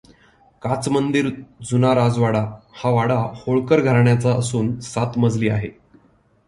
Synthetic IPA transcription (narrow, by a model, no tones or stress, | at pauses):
kat͡smənd̪iɾd͡zunaɾad͡zʋaɽahaʋaɽahoɭkəɾɡʱaɾɳjat͡saəsuːnsat̪məd͡zliːa̰ɦe